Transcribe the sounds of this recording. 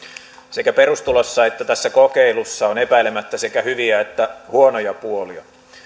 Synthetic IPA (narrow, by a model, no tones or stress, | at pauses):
sekæperust̪ulosːɑet̪ːæt̪æsːækokeilusːɑonepæilemæt̪ːæse̞kæhyʋiæet̪ːæhuonojɑpuoliɑ̰